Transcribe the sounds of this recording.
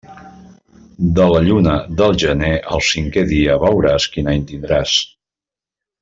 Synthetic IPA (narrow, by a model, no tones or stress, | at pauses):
d̪ələʎunəðəlˠʒəneʔəlˠsiŋkeðiəβəwɾaskinəint̪ind̪ɾas